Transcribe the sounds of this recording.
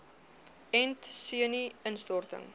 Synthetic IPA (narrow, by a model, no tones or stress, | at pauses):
ɛntsiəniənstɔrtə̰ŋ